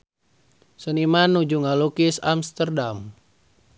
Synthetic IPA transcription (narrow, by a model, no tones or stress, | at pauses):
sənimanːud͡ʒuŋalukisa̰mst̪ərdam